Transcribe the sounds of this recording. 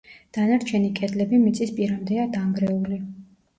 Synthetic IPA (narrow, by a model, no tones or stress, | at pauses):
d̪̥anaɾt͡ʃʰɛnikʼɛd̪lɛbimit̪sʼispʼiɾamd̪ɛad̪aŋɡɾɛuli